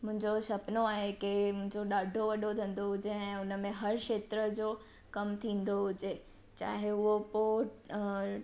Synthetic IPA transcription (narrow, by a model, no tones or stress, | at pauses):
mʊ̃ɦɪ̃ɲd͡ʑosɐpnoaːɦekɪmʊ̃ɦɪ̃ɲd͡ʑoɗaːɖʱoʋɐɗʱot̪ʰɐ̃nd̪oɦʊd͡ʑeɛ̃ːʊnəmẽɦɐɾkʃeːt̪ɾəd͡ʑoː | kɐmt̪ʰĩːn̆d̪oɦʊd͡ʑe | t͡ɕa̰ːɦeʊɦopo